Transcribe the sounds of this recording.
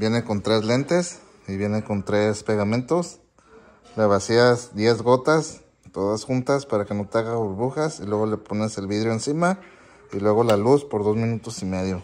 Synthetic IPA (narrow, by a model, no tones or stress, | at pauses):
bje̞neko̞nt̪ɾezlent̪es | iβje̞neko̞nt̪ɾespe̞ɣamẽnt̪o̞s | leβasiasd̪je̞zɣo̞t̪as | t̪oðasxunt̪aspaɾake̞not̪aɣaβuɾβuxasilwe̞ɣoleponeselβiðɾjoensima | ilwe̞ɣo̞laluspo̞ɾðo̞zmĩnut̪osime̞ð̞jo